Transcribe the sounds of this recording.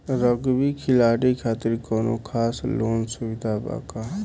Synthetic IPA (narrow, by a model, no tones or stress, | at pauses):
ɾəɡbikʰɪlaːɽikʰaːt̪ɪɾkɔno̰kʰaːsloːnsubid̪ʱaba̰ka